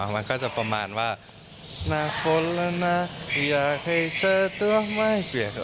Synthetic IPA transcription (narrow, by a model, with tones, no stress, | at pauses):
ma˧nkʰaː˥˩t͡ɕa˧˩pa˧maː˧nwaː˧˩ | naː˧˩fʰo˧˦˥lla˧na˧˥jaː˨˩k̚ʰha˧˩jt͡ɕɤː˧˩˨t̪u˧ɐma˧˥˩jpi˨˩k